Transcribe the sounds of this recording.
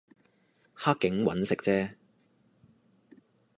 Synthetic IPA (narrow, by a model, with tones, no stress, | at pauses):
haː˥kːɪ˨˥ŋwɐ̰˨˥nsɪ˨k̚t͡sɛː˥